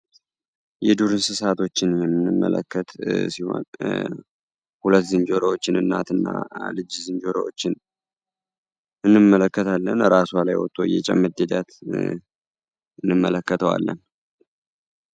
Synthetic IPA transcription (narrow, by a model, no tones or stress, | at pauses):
jɛd̪uɾɨnsɨsat̪ʰo̞t͡ʃːɪnjɛmːɨnːɨmːə̰lə̰kʰːət̪siho̞̰n | hulət̪ːzɨnd͡ʒo̞ɾəwot͡ʃːɪnɨnːat̪ʰɨnːa̰lɨd͡ʒzɨnd͡ʒo̞ɾə̰wo̰t͡ʃːɪn | ɨnːɨmːələkːət̪ʰalːənɾasalajwɔt̪ʼojɛ̰t͡ʃʼɛ̰mːɨd̪ed̪at̪ | ɨnːɨmːələkːət̪ʰəwa̰lːə̰n